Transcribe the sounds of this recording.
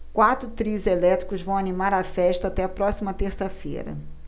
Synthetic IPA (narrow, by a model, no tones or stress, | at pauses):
kwat̪ɾʊt̪ɾiʊzelɛt̪ɾi̥kʊzvɐ̃w̃animaɾɐfɛʃt̪ɐat̪ɛɐpɾɔsimɐt̪eɾsɐfḛɾɐ̰